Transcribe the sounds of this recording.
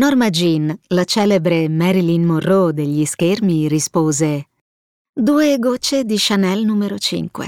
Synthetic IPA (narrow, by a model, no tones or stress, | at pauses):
nɔrmad͡ʒinlat͡ʃɛːlebɾemɛɾilinmorːod̪eʎːiskermiɾispoːze | d̪uːeɡot͡ʃːed̪iʃanɛlnumeɾot͡ʃḭŋkwḛ